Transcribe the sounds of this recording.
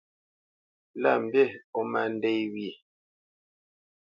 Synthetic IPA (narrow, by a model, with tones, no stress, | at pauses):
la̰˦˨m̩˨be˦˨ɔ˦ma˨n˦de˦jwi˦˨